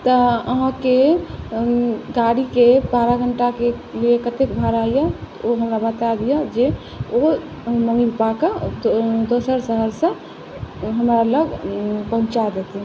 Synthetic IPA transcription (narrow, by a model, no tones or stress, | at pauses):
t̪əəɦãke | ɡaɽikebaɾaɡʱəɳʈakeliekət̪ekbʱaɾajət̪oɦəmɾabət̪ad̪ijəd͡ʒe | o | məŋipakə | d̪osəɾsəɦəɾsə̃ | ɦəmɾaləɡpəɦũt͡ʃad̪et̪i